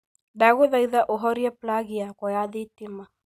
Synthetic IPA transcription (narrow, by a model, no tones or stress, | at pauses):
daɣuðaiðaʔɔɦɔɾiaplaɣiakɔjaðitima